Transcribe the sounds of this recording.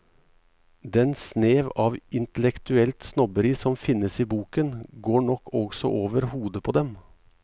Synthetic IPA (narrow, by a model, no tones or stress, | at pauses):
d̪ɛnsneːʋɑːʋɪnt̪əlɛkt̪ʉɛlt̪snɔbəɾiːsɔmfɪnːəsiːbuːkənɡoːɳɔkʰːɔɡsɔ̰ʔoːʋəɾhuːd̪əpʰoːd̪ɛm